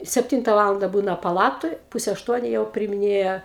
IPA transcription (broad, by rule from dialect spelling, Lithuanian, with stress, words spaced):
sʲɛpʲˈtʲiːntɐ ˈʋɑːlˠɐndɐ ˈbuːnɐ pɐˈlˠɑːtoːj ˈpʊsʲɛ ɐʃˈtuɔnʲʊ jɛʊ pʲrʲɪɪmʲɪˈnʲeːjɛ